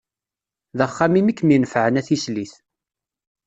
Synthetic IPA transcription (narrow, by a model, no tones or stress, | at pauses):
ðəχːamimikːminəfʕənæθisliθ